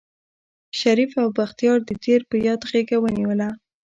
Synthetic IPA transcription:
ʃaɾifawbaxt̪ijɑɾd̪ət̪eɾpəjɑd̪ɣeɡawəniwəla

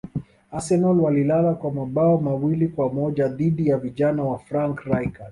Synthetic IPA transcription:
asɛnɔlwalilalakwamaɓaɔmawilikwamɔʄaðiɗijaviʄanawafɾaŋkɾajkas

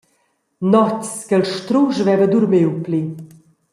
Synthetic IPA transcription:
nɔtskəlʃt̪ɾuʒvɛvəd̪uɾmiwpli

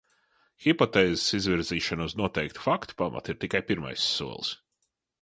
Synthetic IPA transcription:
xipɔt̪ɛːzesizviɾziːʃanuznuɔt̪ɛjkt̪u̥fakt̪u̥pama̰t̪iɾt̪ikajpiɾma̰jsːuɔlˠs

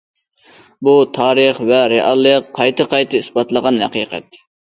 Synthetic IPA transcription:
but̪ʰɑːɾəχvɛɾeʔɑ̰lˠːəqʰːɑjt̪ʰɨqʰɑjt̪ʰɨisbɑt̪lˠəʁɑnhæ̰qḭːqʰɛ̰t̪

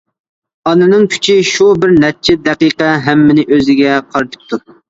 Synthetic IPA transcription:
ɑnɨnɨŋkʲʰy̥t͡ʃʰiʃubɪɾnɛt͡ʃʰɪd̪ɛqijqɛɦɛmːɪnɪʔøzɪɡʲɛqʰɑɾt͡ʃ̪ʰɪ̥p̚t̪ʰːu

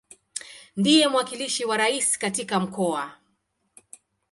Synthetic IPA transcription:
ndijɛm̩wakiliʃiwaɾaisi̥katikam̩kɔa

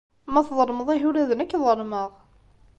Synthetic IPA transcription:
mæθðˤəɾˤməðˤiɦuɾæðənækːðˤəɾməʁ

